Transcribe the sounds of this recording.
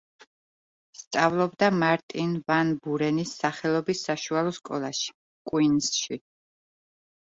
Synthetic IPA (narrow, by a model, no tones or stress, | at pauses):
st̪sʼavlˠɔbd̪amaɾt̪ʼinvanbuɾɛnisːaχɛlˠɔbisːaʃualˠɔskʼɔlˠaʃi̥ | kʼwinsʃi